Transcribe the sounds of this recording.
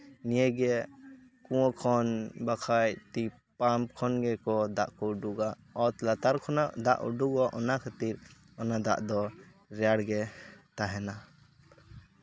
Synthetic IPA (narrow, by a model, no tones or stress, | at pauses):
nijɛɡɛ | kuwɔ̃kʰɔnbakʰajt̪i | pamkʰɔnɡɛkɔd̪aʔkɔuɖuɡa | ɔt̪lat̪aɾkʰɔnad̪a̰ʔṵɖuɡaʔɔnakʰat̪iɾ | ɔnad̪a̰ʔd̪ɔ | ɾɛjaɽɡɛt̪aɦɛna